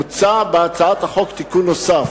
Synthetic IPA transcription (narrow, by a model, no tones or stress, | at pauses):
ut͡sabeat͡saat̪haχo̞kt̪ikunːosaf